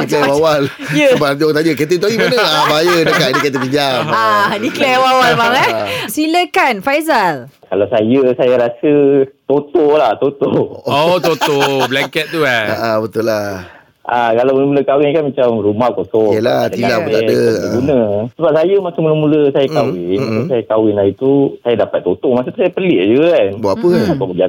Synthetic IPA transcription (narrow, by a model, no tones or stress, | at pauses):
niklɛwawal | jəbaat̪ioat̪aɲəket̪̬ət̪uaɡimanəbajədəkat̪̚dəket̪̬əpiɲamadiklɛwawalbaŋasiləkanfajzalkalawsajəsajaɾasət̪ot̪oʔlaht̪ot̪ooʔot̪ot̪oblɛŋkɛt̪̚t̪uanəʔabət̪ula | ʔakalamələmuləkawɪnkanmat͡ʃamrumahkosɔəlatailabəeəəɡunə̃səbap̚sajəmat͡ʃamuələmuləsajakawɪnaasajakawɪnlait̪usajadapat̪ːot̪oʔmas̬ət̪usajapəliʔd͡ʒuakanbapəakɔʔbəɡia